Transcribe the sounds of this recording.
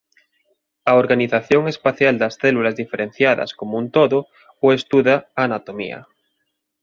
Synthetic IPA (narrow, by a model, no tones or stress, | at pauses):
aoɾɣaniθaθjo̞ŋe̞spaθjald̪asθelulazðifeɾen̟θjaða̰skomunt̪oðo | oest̪uðaanat̪omḭa̰